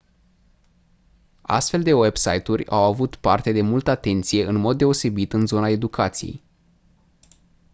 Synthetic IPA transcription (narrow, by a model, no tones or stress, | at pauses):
a̰st̪fe̞ld̪e̞we̞bsa̰jt̪urʲa̰wavut̪part̪e̞d̪e̞mult̪əat̪e̞nt̪sije̞ʔɨnmo̞d̪̚ːe̞o̞se̞bit̪ɨnzo̞nae̞d̪ukʰat̪sijḛj